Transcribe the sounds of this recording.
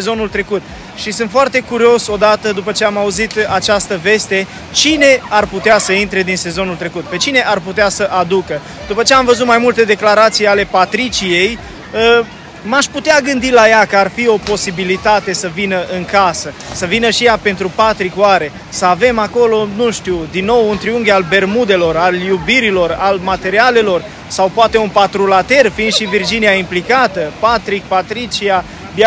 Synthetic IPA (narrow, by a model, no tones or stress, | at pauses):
ezo̞nult̪ɾe̞kut̪ | ʃisɨnt̪foart̪e̞kuɾio̞so̞d̪at̪əd̪upət͡ʃe̞amauzit̪at͡ʃast̪əve̞st̪e̞ | t͡ʃine̞arput̪easəint̪ɾe̞d̪inse̞zo̞nult̪ɾe̞kut̪̚pe̞t͡ʃine̞ʔarput̪easəʔad̪ukə | d̪upət͡ʃeamvəzut̪majmult̪e̞d̪e̞klaɾat̪sijale̞pat̪ɾit͡ʃije̞j | ə | maʃput̪eaɡɨnd̪ilajakəarfio̞po̞sibilit̪at̪e̞səvinəʔɨŋkasəsəvinəʃijape̞nt̪ɾupat̪ɾikoaɾe̞ | səave̞mako̞lo̞nuʃt̪uwd̪inːo̞wunt̪ɾiuŋɡalbe̞rmud̪e̞lo̞raljubiɾilo̞ralmat̪e̞ɾiale̞lo̞r | sawpoat̪e̞unpat̪ɾulat̪e̞rfiːnd̪ʃivird͡ʒiniaimplikat̪əpat̪ɾik̚pat̪ɾit͡ʃia | b